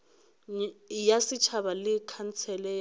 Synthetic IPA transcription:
jasɪt͡ʃʰaβalɪkʰant͡sʰɛlɛj

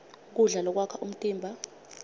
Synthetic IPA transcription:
k̬uɮalɔk̬wakʰaʔum̩tʼiːmbʱa

